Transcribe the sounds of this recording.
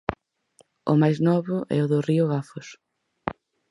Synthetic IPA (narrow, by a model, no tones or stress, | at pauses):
ʊ̰majznɔβʊʔɛ̰ʊðʊriʊɣafʊs